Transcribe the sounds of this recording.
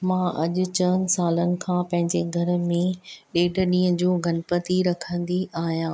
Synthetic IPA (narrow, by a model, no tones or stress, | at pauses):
mãːʔɐʄʊ̆t͡ɕənɪ̆saːlənɪ̆kʰãːpɐ̃ɦɪ̃ɲd͡ʑeɡʱɐɾə̆mẽɗeːɖʱə̆ɗĩːə̃d͡ʑoːɡʱɐnɪpət̪iɾɐkʰə̃n̆d̪iʔaːɦijãː